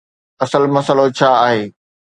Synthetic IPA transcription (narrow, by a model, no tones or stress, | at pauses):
ɐsəlmɐsəlot͡ɕʰaːaːɦeː